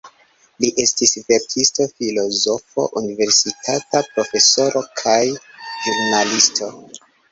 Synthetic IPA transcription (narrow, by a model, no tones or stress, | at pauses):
liʔe̞stisve̞ɾkʰisto̞filo̞zo̞fo̞̰ʔunive̞ɾsitʰatapɾo̞fe̞so̞ɾo̞kʰajʒuɾnalisto̞